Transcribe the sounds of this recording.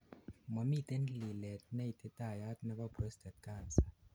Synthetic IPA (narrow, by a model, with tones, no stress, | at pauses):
mɔ˨mi˦˨t̪e˦nli˨lɛ˨t̪̚nɛ˦jt̪e˦t̪a˦˨ja˦t̪nɛ˦ba˦kə˦st̪ɛ˨t̪̚ka˦˨sḁ˨